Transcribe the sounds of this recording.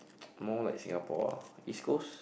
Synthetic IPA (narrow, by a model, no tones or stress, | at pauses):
mɔla̰jksĩŋɡapɔ̰iskos